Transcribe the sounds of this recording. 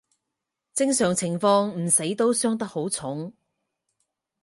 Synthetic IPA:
t͡sɪ˥ŋsœː˨˩ŋt͡sʰɪ˨˩ŋfɔː˧ŋm̩˨˩se˨˥jt̪o˥wsœː˥ŋt̪̬ɐ˥k̚ho˨˥wt͡sʰʊ˨˥ŋ

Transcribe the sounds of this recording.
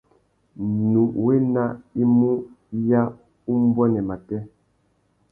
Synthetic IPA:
nu˨we˦na˦i˦mu˦ | ja˦ | u˦m˦bɔ˦nɛ˨ma˨tɛ˦

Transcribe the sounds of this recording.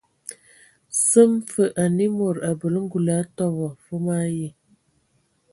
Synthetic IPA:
sə˦mfə˨ʔa˨ni˦mo˨ɾa˨bə˨lə˦ŋ̩˦ɡu˨la˨˦tɔ˦βɔ˨fə˦ma˦je˦˨

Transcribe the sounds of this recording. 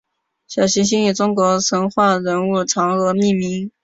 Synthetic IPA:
ɕjɑ˨˩ɕi˧˥ɕ̬i˥ny˨˩t͡sʊ˥ŋkwɔ˧˥t͡sʰɤ˧˥ŋxwa˥˩ɻə˧˥nu˥˩ʈ͡ʂʰɑ˧˥ŋɤ˧˥mi˥˩mi˧˥ŋ

